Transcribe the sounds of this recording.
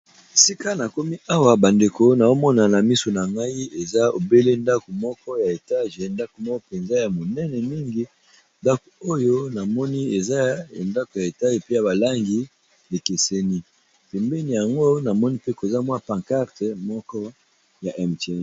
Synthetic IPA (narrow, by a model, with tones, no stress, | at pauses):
e˨si˦ka˦na˨ko˦mi˦ʔa˦wa˨ba˨nde˨ko˨na˨o˦mɔ˦na˨na˨mi˦so˨na˨ŋɡa˦i˦e˨za˦o˨be˦le˦nda˦ko˨mɔ˦kɔ˦ja˨e˨ta˦ʒe˨nda˦ko˨mɔ˦kɔ˦pe˨nza˦ja˨mo˨nɛ˦nɛ˨mi˦ŋɡi˦ | nda˦ko˨o˦jo˦na˨mɔ˦ni˦e˨za˦˨nda˦ko˨ja˨e˨ta˦ʒe˨pe˦ja˨ba˨la˦ŋɡi˨ | le˨ke˨sɛ˦ni˦ | pɛ˨mbɛ˦ni˨ja˨ŋɡo˦na˨mɔ˦ni˦pe˦ko˨za˦mwa˦pã˨ŋka˦ʁtɛ˨mɔ˦kɔ˦ | ja˨ʔɛ˨mtɛ˦˨n˨